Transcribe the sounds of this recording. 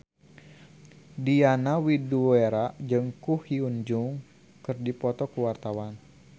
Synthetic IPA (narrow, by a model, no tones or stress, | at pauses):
dianawiduweɾaʔd͡ʒɨŋkuhiuɲd͡ʒuŋ | kɨrdipɔt̪ɔkuwart̪awan